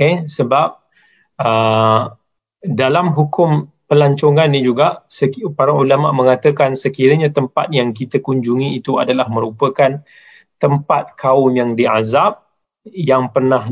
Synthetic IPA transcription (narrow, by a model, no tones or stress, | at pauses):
esəbap̚ | ə | dalamɦukʊm | pəlaɲt͡ʃoŋãnːid͡ʒuɡaʔsəpaɾaulamaʔmə̃ŋat̪əkansəkiɾəɲat̪əmpa̰t̪̚jaŋkit̪əkuɲd͡ʒuŋiːt̪ua̰dalahmə̃ɾupəkan | t̪əmpat̪̚kʰaʊmjaŋdia̰zap̚ | jaŋpərnah